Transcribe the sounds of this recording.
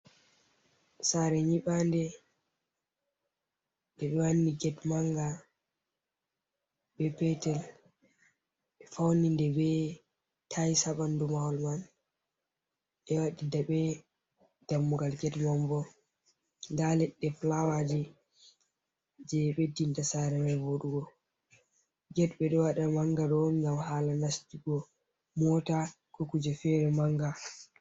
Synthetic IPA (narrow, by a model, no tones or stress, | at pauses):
saɾɛɲiɓandɛ | ɗɛɓɛwanːiɡɛtmaŋɡa | bɛpɛtɛl | ɓɛfawnindɛbɛ | tʰajsaɓandumawɔlman | ɛwaɗidaɓɛ | d̥amːuɡalɡɛtmɔmbɔ | ndalɛɗːɛflawad͡ʒɛ | d͡ʒɛɓedintasaɾɛmɛvoɗuɡɔ | ɡɛtɓɛɗɔwaɗamaŋɡaɗɔŋɡamhaːlanastiɡɔ | mɔta | kokud͡ʒɛfɛɾɛmaŋɡa